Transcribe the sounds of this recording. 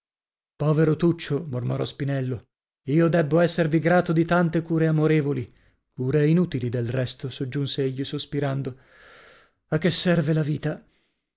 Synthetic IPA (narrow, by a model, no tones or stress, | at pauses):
pɔːveɾot̪ut͡ʃːomormoɾɔspinɛlːo | iːod̪ɛbːoɛsːerviɡɾaːt̪od̪it̪ant̪ekuːɾeamoɾevoli | kuːɾeinut̪ilid̪elrɛst̪osod͡ʒːunseeʎːisospiɾand̪o | akːesːɛrvelaviːt̪a